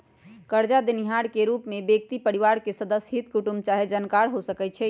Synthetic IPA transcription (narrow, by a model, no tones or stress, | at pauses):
kəɾd͡ʒad̪iniɦaɽkeɾupmebek̚t̪ipəɾiʋaɾkesəd̪əsɦit̪kuʈumt͡ʃaɦed͡ʒənkaɾɦosəkɛt͡ʃʰɛ